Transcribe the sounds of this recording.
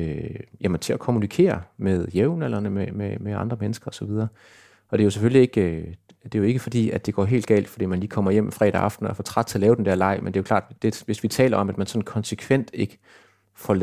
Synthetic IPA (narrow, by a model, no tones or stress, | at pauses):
jæmənt͡sʰe̝ækʰo̝munikʰe̝̰ːɐmeðˠjeʊnelɐnəmememeɑ̈nd̥ʁɐmenəsɡ̥ɐɒ̽sɒ̽ʋið̞ˠɐː | ɒ̽d̥e̝æjo̝s̬efølie̝ɡ̥ø | d̥e̝jo̝e̝ɡ̥əfɒ̽d̥ḭːæd̥e̝ɡ̥ɒ̰ːɦe̝̰ːld̥̚ɡɛ̰ːld̥fɒd̥ḭːmænliːkʰɒ̽mɐjem̰mfʁɛ̰ːɾæɑ̈fd̥n̩ɐfɒ̽t͡sʰʁɑ̈d̥̚t͡sʰe̝ɒlɛːʊ̥end̥æɐlɑ̈ɪ̰mḛnde̝æjokʰlɑ̈ːd̥d̥eʋe̝sʋit͡sʰɛ̰ːlɐɒ̽mæd̥mænsɒ̽n̩kʰɒ̽nsəkʰʋen̰d̥e̝ɡ̥ə̥ | fɒl